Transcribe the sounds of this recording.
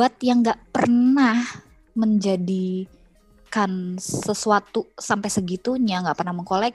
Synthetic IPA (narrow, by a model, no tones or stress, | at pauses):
at̪̚jaŋɡaʔpərnah | məɲd͡ʒadi | kansəsuat̪usampajsəɡit̪uɲaŋɡaʔpərnahməŋkolɛk̚